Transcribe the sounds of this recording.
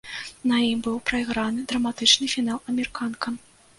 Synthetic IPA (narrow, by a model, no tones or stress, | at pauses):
nɐjimbɨwpɾɐiɣɾanɨd̪ɾɐmat̪ɨt͡ʂnɨfʲin̪alˠɐmʲɛɾɨkʰankʰɐ